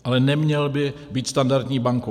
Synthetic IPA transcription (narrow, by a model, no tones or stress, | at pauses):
ʔalɛnɛmɲɛlbɪ | biːt̪st̪andaɾt̪ɲiːbaŋko